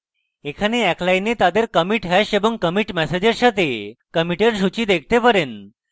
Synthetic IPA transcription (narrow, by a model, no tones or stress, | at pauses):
ekʰaneɛklainet̪ad̪eɾkəmiʈɦɛɕeʋəŋkəmiʈmɛsed͡ʑəɾɕat̪ekəmiʈeɾɕut͡ɕiːd̪ekʰt̪epəɾen